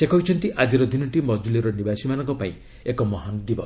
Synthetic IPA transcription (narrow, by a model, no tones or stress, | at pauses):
sekɔɦit͡ʃʰɔnt̪iʔad͡ʒiɾod̪ʱinɔʈimɔd͡ʒuliɾɔnibasimanɔŋkɔpaĩ | ekɔmɔɦand̪ibɔ